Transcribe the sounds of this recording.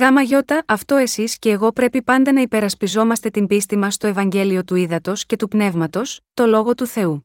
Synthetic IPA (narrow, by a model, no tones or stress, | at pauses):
ɣɐmɐʝo̞t̪ɐʔɐft̪o̞e̞sisce̞ːɣo̞pɾe̞pipɐnd̪e̞nɐipe̞ɾɐspizo̞mɐst̪e̞t̪imbist̪imɐst̪o̞e̞vɐɲɟe̞lio̞t̪uiðɐt̪o̞sce̞t̪upne̞vmɐt̪o̞st̪o̞lo̞ɣo̞t̪uθe̞u